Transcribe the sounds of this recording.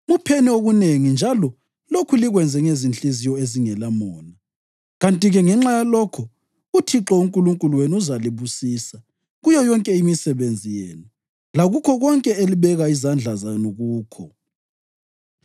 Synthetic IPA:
mupʰenioɣuneŋind͡ʒʱalɔ | lokʰuliɣwɛnd͡zʱɛŋezint͡ɬʼizijɔeziŋɛlamɔːna | ɣantʼiɣɛŋɛŋ͡ǁajalɔkʰɔ | utʰiǁɔuŋkʼuluŋkʼuluweniuzaliβusiːsa | ɣujɔjɔŋkʼɛimisɛβend͡zʱijɛːna | laɣukʰɔɣɔŋkʼɛeliβɛɣaizand͡ɮʱazanuɣuːkʰɔ

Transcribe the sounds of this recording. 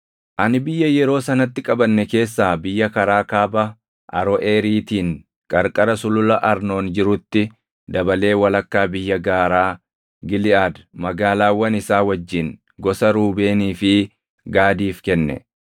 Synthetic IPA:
ʔɐnɪbɪjːɐjɛɾo̞ːsɐnɐt̪ːɪkʼɐbɐnːɛke̞ːsːaːbɪjːɐkɐɾaːkaːbɐ | ʔɐ̰ɾɔʔeːɾiːt̪iːŋ | kʼɐɾkʼɐɾɐsʊlʊlɐʔɐɾno̞ːnd͡ʒɪɾʊt̪ːɪ | d̪ɐbɐle̞ːwɐlɐkːaːbɪjːɐɡaːɾaː | ɡɪlɪaːd̪mɐɡaːlaːwːɐnɪsaːwɐd͡ʒːɪn | ɡɔsɐɾuːbe̞ːniːfɪ | ɡaːd̪iːfkɛnːɛ̰

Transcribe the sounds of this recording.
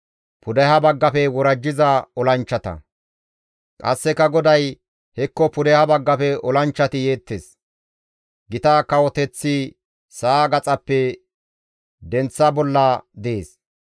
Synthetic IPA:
pʰʊd̪ɛhɐbɐɡːɐfɛwɔɾɐd͡ʒːɪzɐɔlɐnt͡ʃːɐt̪ɐ̰ | kʼɐ̰sːɛkːɐɡɔd̪ɐj | hɛkːɔpʊd̪ɛhɐbɐɡːɐfɛɔlɐnt͡ʃːɐt̪ɪjeːt̪ːeːs | ɡɪt̪akɐwɔt̪ɛt͡sːi | saːɡɐt͡sʼɐpːɛ | d̪ɛnt͡sːɐbɔlːɐd̪eːs

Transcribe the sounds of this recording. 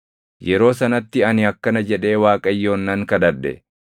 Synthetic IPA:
jɛɾo̞ːsɐnɐt̪ːɪɐnɪɐkːɐnɐd͡ʒɛᶑe̞ːwaːkʼɐjːo̞ːnːɐŋkɐd̪ɐᶑɛ̰

